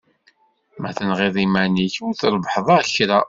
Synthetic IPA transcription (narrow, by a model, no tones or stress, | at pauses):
mæ̰θənʁiðˤimæniçʊɾθlbħðˤɑçɾa